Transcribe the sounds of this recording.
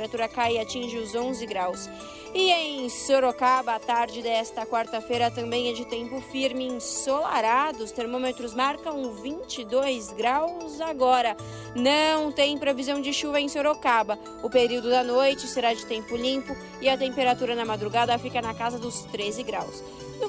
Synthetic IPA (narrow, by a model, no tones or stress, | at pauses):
eɾat̪uɾɐkajɪat͡ʃĩʒɪʊzõzɪɡɾaws | ɪẽj̃soɾokabɐːt̪aɾd͡ʒɪd̪ɛst̪ɐkwaɾt̪ɐfejɾɐt̪ɐ̃mbẽj̃ɛd͡ʒɪt̪ẽmpʊfiɾmɪĩsola̰ɾad̪ʊst̪eɾmõmet̪ɾʊzmaɾkɐ̃w̃vĩt͡ʃɪd̪ojzɡɾawzaɡɔɾɐ | nɐ̃w̃t̪ẽj̃pɾevizɐ̃w̃d͡ʒɪʃuvɐẽj̃soɾokabɐ | ʊpeɾiwd̪ʊd̪ɐnojt͡ʃɪseɾad͡ʒɪt̪ẽmpʊlĩpʊ | ɪɐt̪ẽmpeɾat̪uɾɐnɐmad̪ɾuɡad̪ɐfikɐnɐkazɐd̪ʊst̪ɾezɪɡɾaws | d̪ʊ